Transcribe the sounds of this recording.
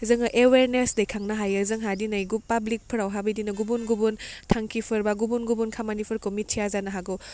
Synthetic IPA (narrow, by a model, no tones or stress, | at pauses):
zɯŋɯʔeweɾnesdɐjkʰaŋnaɦajɯzɯŋɦadinajɡupablik̚pʰɯɾawɦabidinɐɡubunɡubuntʰaŋkʰipʰɐɾbaɡubunɡubunkʰamanipʰɯɾkomitʰijazanɐɦaɡu